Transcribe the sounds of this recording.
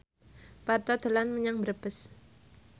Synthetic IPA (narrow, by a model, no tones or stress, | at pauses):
part̪ɔd̪̥o̤lanməɲaŋbəɾəb̥əs